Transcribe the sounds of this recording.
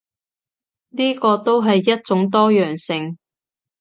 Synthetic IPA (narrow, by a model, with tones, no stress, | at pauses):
niː˥kɔː˧t̪o˥wɦɐ˨jːɐ˥t̚t͡sʊ˨˥ŋt̪ɔː˥jœː˨˩ŋsɪ˧ŋ